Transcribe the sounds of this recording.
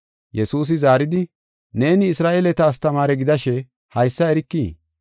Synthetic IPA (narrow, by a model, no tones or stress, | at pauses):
jɛsuːs̬ɪzaːɾɪd̪ɪ | ne̞ːnɪːsɾaːʔeːlɛt̪ɐːs̬t̪ɐmaːɾɛɡɪd̪ɐʃɛ | hɐjsːɐɛɾɪkːiː